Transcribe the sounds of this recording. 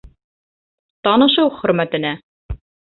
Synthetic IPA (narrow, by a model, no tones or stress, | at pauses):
t̪ɑnɤ̆ʃɤwχɵ̆ɾmæt̪ɘ̆næ